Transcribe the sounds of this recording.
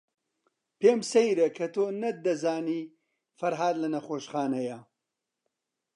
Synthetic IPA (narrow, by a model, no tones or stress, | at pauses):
peːmsɐjɾɐkʰɐt̪ʰoːnɐd̪ɐzaːniː | fɐɾɦaːd̪lɐnɐxoːʃχaːnɐjɐ